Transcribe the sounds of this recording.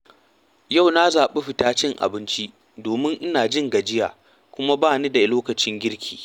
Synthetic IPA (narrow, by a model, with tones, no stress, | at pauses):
ja˦˨wna˦zaː˨ɓe˦ɸɪ˨taː˦t͡ʃɪ˦ŋʔa̰˨bɪ˦nt͡ʃi˦ʔ | doː˨mɪ˦ŋʔɪ˦naː˨d͡ʒɪ˦˨ŋɡa˨d͡ʒɪ˦ja̰ː˨ | kʷʊ˦ma˦baː˦ni˦da˨loː˦kɐ˨t͡ʃɪ˦ŋɡʲɪ˦ɾkʲʰiː˨